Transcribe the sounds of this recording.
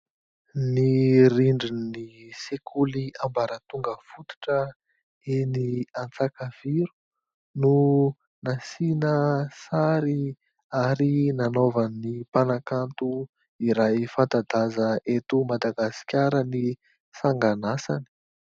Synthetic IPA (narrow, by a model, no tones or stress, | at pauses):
niɾiɳɖ͡ʐinnisekʰuliambaɾət̪uŋɡəfut̪u̥ʈ͡ʂə | eniant͡sakav̥iɾu̥ | nu | nasinəsaɾi | aɾinanovanipanakant̪u | iɾajifant̪ad̪azəʔet̪umad̪aɡasi̥kʲaɾəni | saŋɡanasa̰ni̥